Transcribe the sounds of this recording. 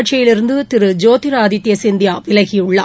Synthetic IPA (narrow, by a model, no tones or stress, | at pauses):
ɐʈt͡ʃɐjɪlɪɾɯnd̪ɯt̪ɪɾɯd͡ʒoːt̪ɪɾaːɐd̪ɪt̪ːjɐsɪnd̪ɪjaːʋɪlɐɣɪjɯɭːɐ